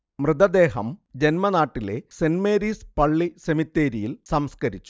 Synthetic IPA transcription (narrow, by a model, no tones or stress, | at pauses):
mrɨd̪ɐd̪eːɦɐmd͡ʑe̞nmɐnaːʈːile̞senmeːɾiːspɐɭːisemit̪ːeːɾijilsɐmskɐɾit͡ɕːu̥